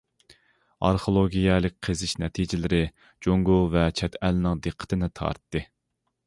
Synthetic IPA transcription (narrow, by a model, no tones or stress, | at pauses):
ɑ̰ɾχolˠoɡʲijɛlɪk̚ʲqʰezɪʃnɛt̪ʰid͡ʒɪlɪɾɪ | d͡ʒoŋɡovɛt͡ʃʰɛt̪ʰɛlnɪŋd̪ɨqʰːə̥t̪ʰɨnɪt̪ʰɑ̰ɾt̪ːɨ